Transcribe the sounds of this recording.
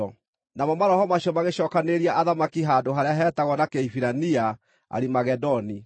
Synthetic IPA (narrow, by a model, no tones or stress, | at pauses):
ɔ | namɔmaɾɔhɔmaɕiɔmaɣeɕɔːkaneɾiaʔaðamakiɦaːdoɦaɾeaɦɛːtaɣɔnakeifiɾania | a̰ɾimaɣɛdɔni